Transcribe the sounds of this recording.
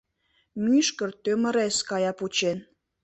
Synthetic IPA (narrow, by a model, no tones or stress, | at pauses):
myʃkə̆rt̪ømə̆ɾeskɑjɑput͡ɕen